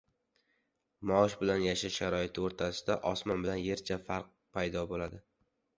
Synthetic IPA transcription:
mɒɒʃbɪlanjaʃaʃaɾɒɪt̪ʰɪoɾt̪ʰasɪ̥d̪aʔɒsmɒnbɪlanje̞ɾt͡ʃʰafaɾq̚pʰajd̪ɒbolad̪ɪ

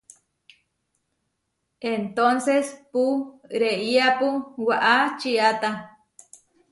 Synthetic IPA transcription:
ent̪onsespuɾeiapuwaʔat͡ʃiat̪a

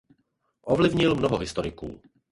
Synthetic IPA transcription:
ʔovlɪvɲɪlmnoɦoɦɪst̪oɾɪkṵː

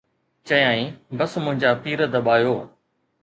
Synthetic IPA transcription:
t͡ɕɐjaːĩːbɐsmʊ̃ɦɪ̃ɲd͡ʑaːpiːɾəd̪ɐɓaːjoː

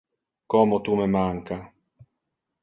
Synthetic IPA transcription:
kɔmot̪umemaŋka

